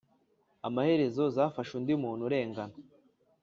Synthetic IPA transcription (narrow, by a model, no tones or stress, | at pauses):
amahe̞ɾe̞zo̞zaːfaʃundimuːn̥huɾe̞ːŋɡana